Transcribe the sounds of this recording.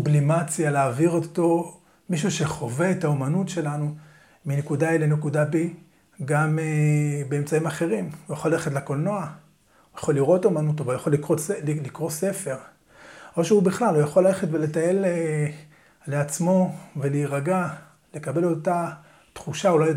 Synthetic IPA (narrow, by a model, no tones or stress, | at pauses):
sublimat͡sjaleaːviʁot̪o̞ | miʃuʃe̞χo̞ve̞ːtaomanutʃe̞lanu | minekudaelenekudabi | ɡamebe̞emt͡saimaχe̞ʁimujaχolaleχet̬lekolno̞a | ujaχolːiʁo̞taomanut̪ovujaχolːikʁoslilikʁo̞se̞fe̞ʁ | ʔo̞ʃeubiχlalujaχolːale̞χetvele̞taje̞le | leat͡smo̞veliʁaɡa | le̞kabe̞lota | t̪χuʃaulaj